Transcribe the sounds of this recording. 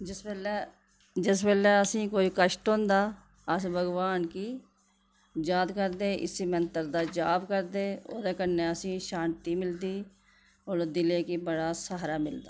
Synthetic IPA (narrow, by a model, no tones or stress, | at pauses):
ɪsɛːlɛ | d͡ʒɪspɛːlɛːəsĩːkoːiːkəʃʈɦõːnd̪aː | əsbʱəɡʋaːnkiː | d͡ʒaːd̪kəɾd̪eːʔɪ̰siːmənt̪əɾd̪aːd͡ʒaːbkəɾd̪eːo̰ːd̪eːkənːeːəsĩːʃãːnt̪iːmɪld̪iː | oːɾd̪ɪleːkiːbəɽaːsaɦɾaːmɪld̪a̰ː